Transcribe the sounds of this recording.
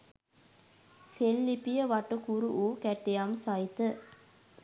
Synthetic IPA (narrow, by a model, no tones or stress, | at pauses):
selːipijəʋɐʈukuɾuʔuːkɛʈːejamsajit̪ə